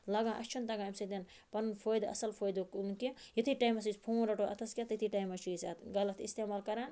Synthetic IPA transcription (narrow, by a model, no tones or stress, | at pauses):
lɐɡãːʔɐst͡ʃʰunt̪ɐɡaːmsed̪ʲen | pɐnnpʰoːjd̪ɐ̰sɐlpʰoːjd̪uknkijɐt̪ʰiʈaːjmɐs̬ispʰoːnɾɐʈoʔɐ̰t̪ʰɐskʲat̪ɐt̪ʰiʈajmɐt͡ʃʰusɐɡɐlɐt̪ist̪eːmaːlkɐɾan